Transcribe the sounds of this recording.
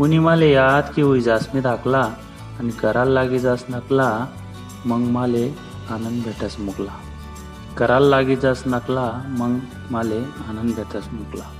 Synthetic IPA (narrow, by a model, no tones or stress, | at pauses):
kuniːmalejat̪kiujd͡zasmid̪aklaː | nikəɾalːaɡid͡zasnəkla | məɡmale | anənd̪bʱeʈasmukla | kəɾalːaɡid͡zasnəklaməɡ | maleanənd̪bʱeʈasmukla